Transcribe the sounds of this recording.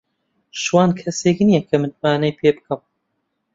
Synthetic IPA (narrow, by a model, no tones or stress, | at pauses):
ʃwɑːnkʰɐseːknijɛkʰɐmɨnmaːnɐjpʰeːbɨkʰɐm